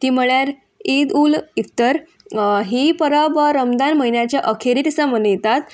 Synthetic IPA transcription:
t̪iːm̤əɭjaɾ | id̪ulikt̪əɾ | ɦipəɾabəɾəmd̪anməɦinjat͡ɕjaʔəkʰeɾit̪isamənjet̪at̪

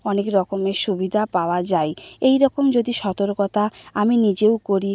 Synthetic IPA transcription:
ɔnekɾɔkomeʃubid̪ʱapaoad͡ʑajejɾɔkomd͡ʑod̪iʃɔt̪oɾkɔt̪ʰaaminid͡ʑewkoɾi

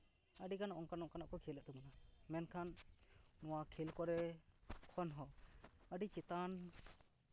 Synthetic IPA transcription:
əɖikanʔɔŋkanɔʔkanaʔkɔkʰilɛʔ̚t̪ɔmɔnamɛnkʰanː | ɔwakʰilkɔɾɛkʰɔnɦɔəɖit͡ʃit̪an

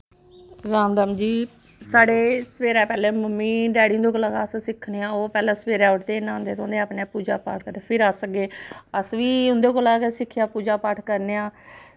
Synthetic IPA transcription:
ɾaːmd̪aːmd͡ʒiː | saːɽeːsəʋeːɾɛːpɛːleːməmːĩːɖɛːɽĩnd̪eːkoːlaːkassɪkʰːneːãːoːpɛːlɛ̃ːsəʋeːɾɛːʊʈt̪eːɪnːãːɦʊ̃nd̪eːt̪õnd̪eaːpneaːpuːd͡ʒaːpa̰ːʈʰkəɾd̪epʰɪɾəsəɡeːəsʋiːʊ̃nd̪eːkoːlaːkesɪkʰːjaːpuːd͡ʒaːpaːʈʰkəɾneːãː

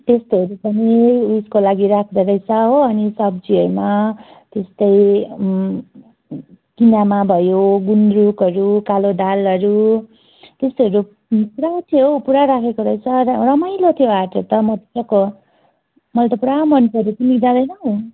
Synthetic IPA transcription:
t̪est̪oɦʌɾupʌniuskolaɡiɾakʰd̪ʌɾʌjt͡sʰʌɦoʌnisʌb̚d͡ziʌɾumat̪est̪ʌj | kinamabʱʌjoɡund̪ɾukʌɾukalod̪alʌɾu | t̪est̪eɦʌɾu | puɾat̪ʰijopuɾaɾakʰekoɾʌjt͡sʰʌrʌmajlot̪ʰijoaʈʰot̪ʌmʌt̪sʌko | mʌlt̪ʌpuɾamʌnkʌɾut̪imikd͡zãd̪ʌjnʌɦo

